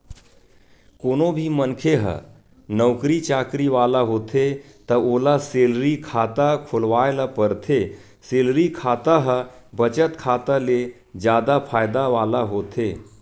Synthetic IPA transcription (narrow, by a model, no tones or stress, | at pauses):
koːnobʱimənkʰeɦə̰ | nəwkɾit͡ʃaːkɾiʋaːlaɦoːt̪ʰe | t̪əolaselɾikʰat̪akʰʊlʋajlapəɾt̪ʰe | selɾikʰaːt̪aɦəbət͡ʃət̪kʰat̪əle | d͡ʒjaːd̪apʰaːjd̪aʋaːlaɦoːt̪ʰe